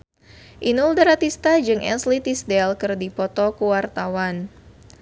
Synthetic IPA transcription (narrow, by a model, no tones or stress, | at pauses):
ʔinuldəɾat̪ist̪ad͡ʒɨŋʔɛ̰slit̪isdɛlkɨrdipɔt̪ɔkuwart̪awan